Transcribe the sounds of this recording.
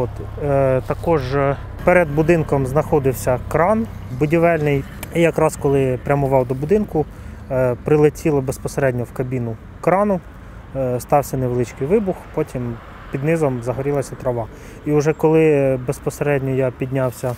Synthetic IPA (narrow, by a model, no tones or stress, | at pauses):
ɔt̪ | t̪ɐkɔʒ | pɛɾed̪bʊd̪ɪnkɔmznɐxɔd̪ɪwsʲɐkɾɑnbʊdʲiʋɛlʲnɪjijɐkɾɑskɔlˠɪpɾʲɐmʊʋɑwd̪ɔbʊd̪ɪnkʊ | pɾɪlˠetʲilˠɐbespɔseɾɛdʲnʲɔwkɐbʲinʊ | kɾɑnʊ | st̪ɑwsʲɐneʋelˠɪt͡ʃkɪjʋɪbʊxpɔtʲim | pʲid̪nɪzɔmzɐɦɔɾʲilˠɐsʲɐt̪ɾɔʋɑ | iʊʒɛkɔlˠɪbespɔseɾɛdʲnʲɔjapʲid̪ʲnʲawsʲɐ